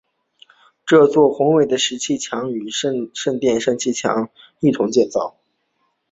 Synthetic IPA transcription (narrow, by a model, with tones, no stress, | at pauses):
ʈ͡ʂɤ˥˧t͡swɔ˥˩xʊ˧˥ŋwe˨˩ɪd̪ə˦ʂɻ̩˧˥t͡ɕʰi˥˩t͡ɕʰjɑ˧˥ŋy˨˩ʂʂə˥˧ŋt̪jɛ˥˧nʂɤ˥˧nt͡ɕʰi˥˩t͡ɕʰjɑ̰˧˥ŋ | i˥˩t̪ʰʊ˧˥ŋt͡ɕjɛ˥˧nt͡sɑ˥˩ʊ